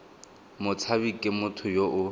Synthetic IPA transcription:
mʊt͡sʰabikʼɪmʊtʰʊjoʔʊ

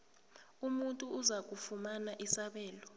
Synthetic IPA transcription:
umuntʼuːzak̬ʼufumanaʔisaɓɛːlɔ

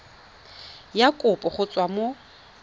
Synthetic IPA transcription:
jakʼʊpʼɔχʊt͡sʼwamo

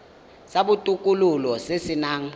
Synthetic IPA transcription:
saɓutʼukʼululɔsesinaːŋ̩

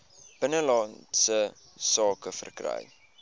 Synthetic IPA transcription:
b̥ənəlɑntsə | sɑːkəfə̰rkrɛ̰j

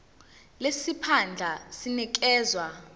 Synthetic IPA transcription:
lesipʰand͡ɮʱasinik̬ɛːzwa

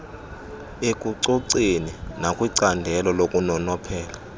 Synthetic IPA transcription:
ekʼuǀoǀininakʼwiǀandʱɛlɔlokʼunɔnɔpʰɛːla

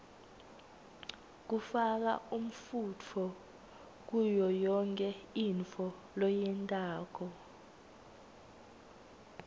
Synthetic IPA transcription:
k̬ufak̬a̰um̩fut͡fʰɔ | k̬ujɔjɔŋkʼɛiɱt͡fʰɔ | lɔjɛntʼaːk̬ɔ

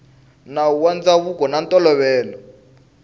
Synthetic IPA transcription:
nawuwand͡zaβukɔnantɔlɔβɛːlɔ

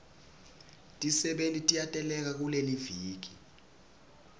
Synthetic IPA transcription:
tʼisɛɓentʼitʼijatʼɛlɛk̬ak̬uleliviːk̬i̥

